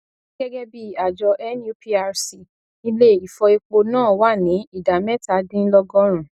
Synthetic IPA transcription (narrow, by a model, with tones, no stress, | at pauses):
ɡɛ˦ɡɛ˦bi˦˨a˨d͡ʒɔ˧ʔɛ˦nju˦pʰi˦a˧ɾsi˨ | i˧le˦˨i˨fɔ˧i˧k͡po˧nãː˦˨wa˦˨nĩ˨˦i˦˨da˨mɛ˦˨ta˨˦dĩ˦lɔ˧ɡɔ̃˦ɾ̃ũ˨